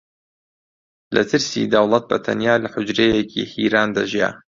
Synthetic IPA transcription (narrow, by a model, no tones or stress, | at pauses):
lʔɐ̰t̪ʰɨɾsḭd̪ɐwlˠɐt̪̚bɐt̪ʰɐ̰njaːlɐħʊd͡ʒɾejekʰḭhiːɾaːnd̪ɐʒja̰ː